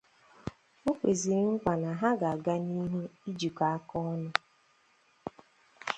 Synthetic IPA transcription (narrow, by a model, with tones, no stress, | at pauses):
o˦kʷe˨zi˨ɾŋ̩˦kʷa˨na˨ɦa˦ɡa˨a˨ɡa˦ni˦ɦe˦i˦d͡ʒu˨ka˨a˦kɔ˦ɔ˦nʊ˦